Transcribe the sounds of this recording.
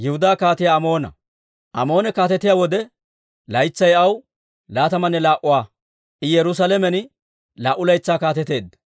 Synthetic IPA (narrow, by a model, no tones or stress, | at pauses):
jɪhʊd̪aːkaːt̪ɪjaɐmo̞ːnɐ̰ | ʔɐmo̞ːnɛkaːt̪ɛt̪ɪjaːwɔd̪ɛ | lɐjt͡sːɐjɐw | laːt̪ɐmɐnːɛlaːʔʊwaː | ʔɪjɛɾʊs̬ɐlɛmɛnɪ | laːʔʊlɐjt͡sːaːkaːt̪ɛt̪e̞ːd̪ːɐ